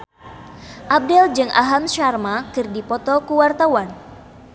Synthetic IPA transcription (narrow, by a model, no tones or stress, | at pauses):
ʔab̚dɛld͡ʒɨŋʔa̰ɦamʃarmakɨrdipɔt̪ɔkuwart̪awan